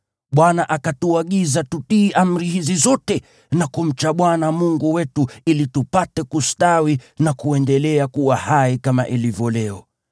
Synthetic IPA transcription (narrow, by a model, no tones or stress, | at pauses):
ɓwanaʔakatuaɠizatutiːʔam̩ɾihizizɔtɛ | nakum̩t͡ʃaɓwanamuŋɡuwɛtuilitupatɛkustawinakuɛndɛlɛakuwahaikama̰ʔilivjɔlɛɔ